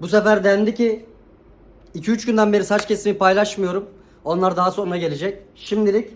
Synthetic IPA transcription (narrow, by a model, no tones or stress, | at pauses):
busefæɾd̪ænd̪ici | icʰiyt͡ʃɟynd̪ænbe̞ɾisat͡ʃcʰʲe̞simipʰajlˠaʃmɯjo̞ɾum | o̞nlˠaɾd̪aɦaso̞nɾaɟe̞lʲe̞d͡ʒɛc̚ʃimd̪ilʲic